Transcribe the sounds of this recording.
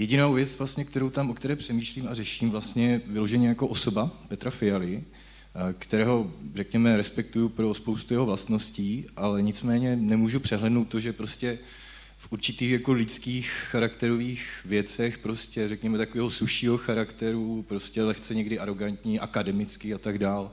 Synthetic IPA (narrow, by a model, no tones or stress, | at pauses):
jɛɟɪnowvjɛt͡svlast̪ɲɛk̚t̪ɛɾowt̪amʔokt̪ɛɾɛːpr̝̥ɛmiːʃliːmarɛʃiːmvlast̪ɲɛjɛvɪlo̞ʒɛɲɛjakoʔoso̞bapɛt̪ɾafɪjalɪ | kt̪ɛɾɛːɦo̞rɛkɲɛmɛɾɛspɛk̚t̪ujupɾo̞spowst̪ujɛɦovlast̪no̞sciːʔalɛɲɪt͡smɛːɲɛnɛmuːʒupr̝̥ɛɦlɛdnowt̪ːo̞ʒɛpɾo̞scɛ | fʔuɾt͡ʃɪt̪iːxjako̞lɪt͡skiːxːaɾakt̪ɛɾo̞viːxvɪjɛt͡sɛxpɾo̞scɛrɛkɲɛmɛt̪akovɛːɦo̞suʃiːɦo̞xaɾakt̪ɛɾupɾo̞scɛlɛxt͡sɛɲɛɡdɪʔaɾo̞ɡant̪ɲiʔakadɛmɪt͡skɪat̪aɡdaːl